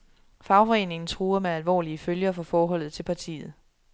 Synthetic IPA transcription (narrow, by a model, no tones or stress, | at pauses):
fɑ̈ʊfɒ̽e̝̰ːne̝ŋn̩t͡sʰʁuːɐmeælʋɒ̰ːliəføljɐfɒ̽fɒːɦɒ̽l̰ð̩ˠt͡sʰe̝lpʰɑ̈t͡sʰḭːð̞̩ˠ